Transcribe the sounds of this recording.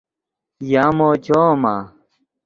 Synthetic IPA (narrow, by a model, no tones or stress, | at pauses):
jaːmoːt͡ɕʰoːmaː